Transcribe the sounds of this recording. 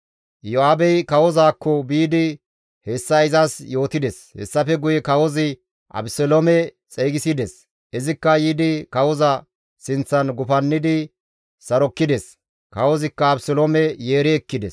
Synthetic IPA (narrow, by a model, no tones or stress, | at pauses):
jɔaːbɛjkɐwɔzaːkːɔbiːd̪ɪ | hɛsːɐɪzɐsjo̞ːt̪ɪd̪ɛshɛ̰sːɐfɛɡʊjɛkɐwɔzɪ | ʔɐ̰bsɔlomɛt͡sʼɛjɡɪsɪd̪ɛs | ʔɛzɪkːɐjiːd̪ɪkɐwɔzɐ | sɪnt͡sːɐnɡʊfɐnːɪd̪ɪ | sɐɾɔkːɪd̪ɛs | kɐwɔzɪkːɐːbsɔlomɛjeːɾɛɛkːɪd̪ɛs